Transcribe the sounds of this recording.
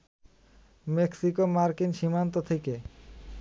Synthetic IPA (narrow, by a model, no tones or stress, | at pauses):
meksikomaɾkinʃimant̪ot̪ʰeke